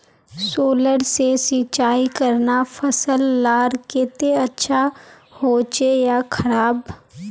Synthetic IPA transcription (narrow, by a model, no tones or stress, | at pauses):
soːləɽsesit͡ʃaːikəɾnafʰɐsəlːaːɾket̪eɐtːʃʰa | hoːt͡ʃejakʰɐɾaːb